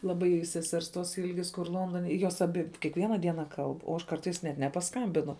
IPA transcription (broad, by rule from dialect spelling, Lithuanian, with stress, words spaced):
lˠɐˈbɐɪ sʲɛˈsʲɛrs toːs ˈɪlʲɡʲɪs kʊr ˈlˠoːndoːnʲɛ joːs ɐˈbʲɪ kʲiɛkˈʋʲiɛnɐ ˈdʲiɛnɐ ˈkɐlˠp oː ˈɐʃ ˈkɐrtɐɪs nʲɛt nʲɛpɐˈskɐmʲbʲɪnʊ